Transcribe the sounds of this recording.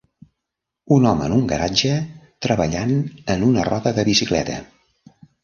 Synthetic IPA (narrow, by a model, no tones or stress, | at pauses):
unɔməənuŋɡəɾad͡ʒət̪ɾəβəʎanənunərɔðəðəβisiklɛ̰t̪ə̰